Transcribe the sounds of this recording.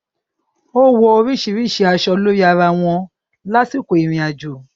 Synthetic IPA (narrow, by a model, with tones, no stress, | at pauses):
o˦wo˧o˧ɾi˦˨ʃi˧˨ɾi˦˨ʃe˧˦a˧ʃɔ˧o˧lo˦ji˦a˧ɾa˧w̃ɔ̃˧ | la˦ti˦˨ko˨i˨ɾ̃ĩ˧a˧d͡ʒu˨